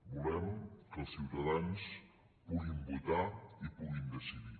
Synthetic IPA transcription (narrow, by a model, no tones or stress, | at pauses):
bulɛmkəlˠsiwt̪aðans | puɣimbut̪aipuɣind̪əsiði